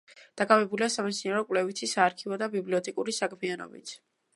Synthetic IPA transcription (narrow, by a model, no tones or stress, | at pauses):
d̪̥akʼavɛbuliasamɛt̪sʰinaɾɔkʼwlɛvit̪ʰisaːɾkʰivɔd̪abibliɔt̪ʰʼɛkʼuɾisakʰmianɔ̰bḭt̪ʰ